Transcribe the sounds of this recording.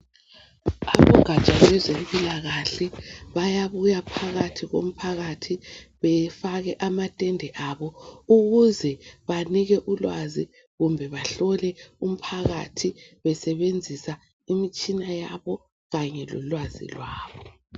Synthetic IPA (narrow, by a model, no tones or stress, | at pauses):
aβɔɡ̥ʱat͡ʃʼalɛzempʼilaɣaɬɛβajaβujapʰaɣatʰiɣo̰m̩pʰaɣatʰiβɛfaɣɛʔamatʼɛndʱɛʔaβɔuɣuzɛβaniɣɛʔulwazi | ɣumbʱɛβaɬɔlɛum̩pʰaɣatʰiβɛsɛβend͡zʱisa | imit͡ʃʼinajaβɔ | ɣaɲɛlɔ̰lwazḭlwaːβɔ